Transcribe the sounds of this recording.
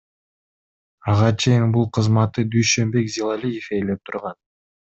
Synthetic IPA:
ɑʁɑt͡ʃʰe̞jinbulˠqʰɯzmɑt̪ːɯd̪yjʃø̞mbe̞kzʲilˠalʲijefe̞jle̞p̚t̪ʰuɾʁɑn

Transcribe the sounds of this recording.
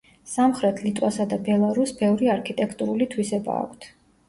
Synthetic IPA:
samχɾɛt̪ʰlit̪ʼwasad̪abɛlˠaɾusbɛvɾiaɾkʰit̪ʼɛkʰt̪ʼuɾulit̪ʰwisɛba̰ːkʷʰt̪ʰ

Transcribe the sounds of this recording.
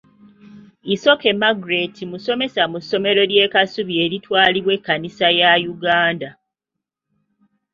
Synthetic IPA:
iso̞ke̞maɡuɾe̞tʰimuso̞me̞samuso̞me̞ɾo̞ljeːkasuβie̞ɾitwaːliβwekːanisajajuɡaːnda

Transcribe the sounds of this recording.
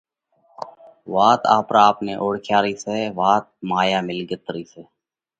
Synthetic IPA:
ʋaːt̪a̰ːpɾaːpneːʔoːɽkʰjaːɾiːseːʋaːt̪̚maːjaːmɪlɡət̪ɾiːseː

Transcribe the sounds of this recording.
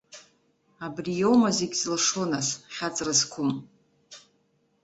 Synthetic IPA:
abrijowmazeɡʲzlʂo̞nasχʲat͡sʼrɨzkʷʰʊm

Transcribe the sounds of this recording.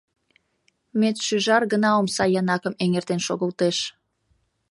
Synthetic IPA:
met̪ʃyʒɑrɣənɑomsɑjɑnɑkəmeŋert̪enʃoɣəlt̪eʃ

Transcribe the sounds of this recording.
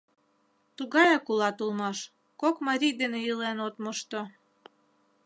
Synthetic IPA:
t̪uɣɑjɑkulɑt̪ulmɑʃ | kokmɑɾʲijd̪enejəlenot̪moʃt̪o

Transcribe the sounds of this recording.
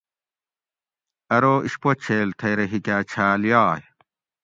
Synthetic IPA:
ɐɾoːʔiɕpot͡ɕʰeːlt̪ʰɐjɾeɦikʲæːt͡ɕʰaːljaːj

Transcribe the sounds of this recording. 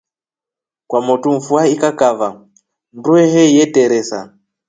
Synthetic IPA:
kwamotumfuaikakava | mbueɦejeteɾesa̰

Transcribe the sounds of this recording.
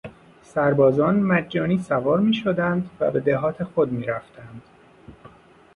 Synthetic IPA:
sæɾbɒːzɒːnmæd͡ʒːɒːniːsævɒːɾmiːʃod̪ænd̪væ̰be̞d̪eɦɒːt̪ʰe̞xod̪miːɾæft̪ʰænd̪̥

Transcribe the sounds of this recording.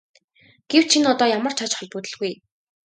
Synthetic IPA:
ɡ̥ew̥t͡ɕt͡ɕʰinɔt̪ɔːjamə̆r̥t͡ɕʰat͡ɕχɔɮpuːt̪ɘ̆ɮɣuj

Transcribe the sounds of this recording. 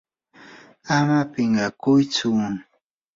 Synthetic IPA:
amapɪɴɢɑkʊjt͡sʊ

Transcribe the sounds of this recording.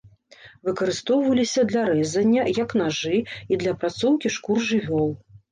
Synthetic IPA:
vɨkɐɾɨst̪ɔwvɐlʲisʲɐd̪lʲɐɾɛzɐnʲːɐjɐknaʐɨid̪lʲɐpɾat̪sɔwkʲiʂkurʐɨvʲɔlˠ

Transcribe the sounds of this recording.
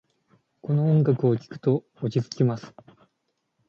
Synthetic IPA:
ko̞no̞õŋɡakɯ̟okʲi̥kɯ̟̥t̪o̞ː | t͡ɕit͡sɨ̥kʲimasɨ̥

